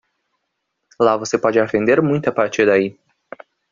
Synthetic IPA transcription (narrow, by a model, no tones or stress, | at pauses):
lavosepɔd͡ʒɪafẽnd̪eɾmũj̃t̪ʊapaɾt͡ʃiɾd̪ai